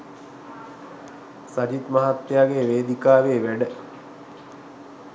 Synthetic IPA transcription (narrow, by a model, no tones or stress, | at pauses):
sad͡ʑit̪maɦat̪ːjaːɡeʋeːd̪ikaːʋeːʋæɖə